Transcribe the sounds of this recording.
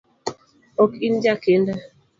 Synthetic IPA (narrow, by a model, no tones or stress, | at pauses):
okind͡ʒakenda